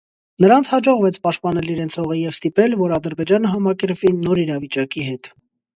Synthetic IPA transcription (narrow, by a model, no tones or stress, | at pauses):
nəɾɑnt͡sʰhɑd͡ʒɔʁvɛt͡sʰpɑʃt̪̚pɑn̪ɛliɾɛnt͡sʰɔʁijɛvst̪ipɛlvɔɾɑd̪əɾbɛd͡ʒɑnəɦɑmɑkɛɾpvinːɔɾiɾɑvit͡ʃɑkiɦɛt̪